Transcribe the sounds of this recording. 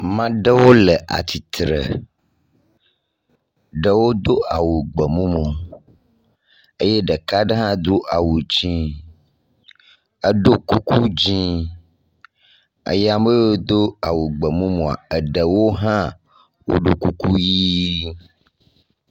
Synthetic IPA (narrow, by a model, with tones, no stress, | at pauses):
mã˦ɖə˦wo˦lə˨ʔa̰˨t̪ʰi˨t̪ɾə̰˨ | ɖə˨wo˦d̪o˦a˨wu˨ɡ͡bə˨mũ˦mũ˨ | ə˦jɛ˦ɖə˨ka˦ɖɛ˦ɦã˦d̪o˦ʔa˨wu˨d͡ʑĩ˦ | ə˦ɖo˦ku˦ku˦d͡ʑĩ˦ | ə̰˦jɛ˦a˨me˦o˦d̪o˦a˨wu˨ɡ͡bə˨mũ˦mõ˨a̰˨ə˨ɖə˨wo˦ɦã˦ | wo̰˦ɖo˦ku˦ku˦ji˦